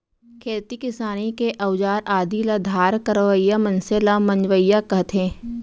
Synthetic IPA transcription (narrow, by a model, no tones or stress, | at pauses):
kʰeːt̪ikɪsaːnikeʔɐʊd͡ʒaːɾaːd̪ilɐd̪ʱaːɾkəɾʋəjːamɐ̃nselamɐ̃ɲd͡ʒʋəjakɐɦt̪ʰẽː